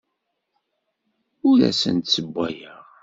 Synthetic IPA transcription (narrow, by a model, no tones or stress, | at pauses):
ʊlæ̰sə̰nt̪səbʷːæjəʁ